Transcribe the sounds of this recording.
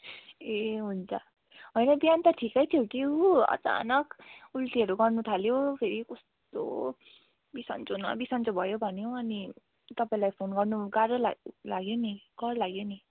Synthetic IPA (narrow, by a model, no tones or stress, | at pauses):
eɦunt͡sʰʌ | ɦʌjnʌbjant̪ʌʈʰikʌjt̪ʰjoʈiʌ̰t͡sa̰nʌkultiʌɾuɡʌrnut̪ʰaljopʰeɾikostt̪o̰ | bisʌ̰nt͡sonʌ̰bisʌnt͡sobʱʌjobʱʌnjoʌni | t̪ʌpaĩlajpʰonɡʌrnuɡaɾʌla̰laɡjoniɡ̥ʌɾlaɡjoni